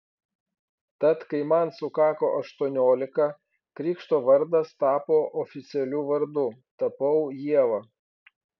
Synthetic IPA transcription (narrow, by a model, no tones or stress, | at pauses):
t̪ɐt̪kɐɪmɐnsʊkɑːkoːʔɐʃt̪uɔnʲoːlʲɪkɐ | kɾʲiːkʃt̪oːʋɐɾd̪ɐst̪ɑːpoːʔɔfʲɪt̪sʲɛlʲuːʋɐɾd̪ʊt̪ɐpɐʊjiɛʋɐ